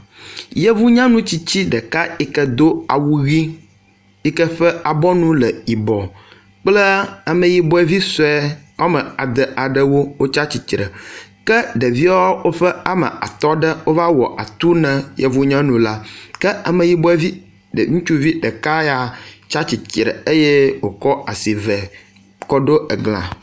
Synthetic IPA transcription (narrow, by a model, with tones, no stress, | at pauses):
je˦vu˦ɲã˦nũ˦t͡ɕi˦t͡ɕi˦ɖə˨ka˦i˨kə˦d̪o˦a̰˨wu˦ɣi˦ | i˦kə˦ɸə˦a˨bɔ˦nũ˦lə˨i˨bɔ˨ | k͡plə˦a˨mə̃˨ji˨bɔ˦ɛ˨vi˦sɔ˨ɛ˦a˦mə̃˨a˨d̪ə˨ʔa˨ɖə˦wo˦wo˦t͡ʃa˦t͡ɕi˨t̪ɾə̰˨kə˦ɖə˨vi˦a˦wo˦ɸə˦a˨mə̰˨a̰˨t̪ɔ˦ɖə˦wo˦va˦wɔ˨ʔa˨t̪u˦nɛ̃˨je˨vu˦ɲɛ̃˦nũ˨la˦kə˦a˨mə̃˨ji˨˦bɔ˦ɛ˦vi˦ | ɖə̰˨ŋũ˦t͡ʃu˦vi˦ɖə˨ka˦ja˨t͡ʃa˦t͡ɕi˨t͡ʃɾə̰˨e˦je˦wo˨kɔ˦a˨si˨vɛ˨ | kɔ˦ɖo˦ə˨ɡl̃ã̰˨